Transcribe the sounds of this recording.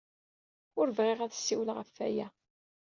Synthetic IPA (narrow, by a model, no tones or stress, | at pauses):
ʊɾvʁeʁæðəsːiwəlʁəfːæ̰jæ